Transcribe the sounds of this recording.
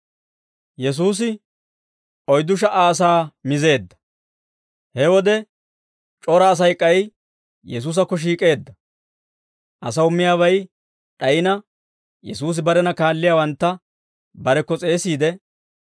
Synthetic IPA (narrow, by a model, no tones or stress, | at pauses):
jɛs̬uːs̬ɪ | ɔjd̪ʊʃ̬ɐʔaːs̬aːmɪze̞ːd̪ːɐ̥ | hɛwɔd̪ɛ | t͡ʃʼɔɾɐːs̬ɐjkʼːɐj | jɛs̬uːs̬ɐkːɔʃ̬iːkʼe̞ːd̪ːɐ | ʔɐsɐwʊmːɪjaːbɐj | ᶑɐjɪnɐ | jɛsuːs̬ɪbɐɾɛnɐkaːlːɪjaːwɐnt̪ːɐ | bɐɾɛkːɔt͡sʼe̞ːsiːd̪ɛ